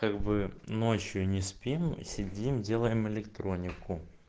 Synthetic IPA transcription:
kaɡbɨnot͡ɕjʊnʲɪspʲimsʲɪdʲimdʲe̞lˠəjɪmɪlʲɪkt̪ɾo̞nʲɪkʊ

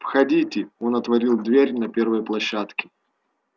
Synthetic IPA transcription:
pxɐdʲitʲɪo̞nɐt̪vɐɾʲilˠd̪vʲeɾʲnɐpʲe̞rvəjəplˠɐɕːat̪kʲɪ̥

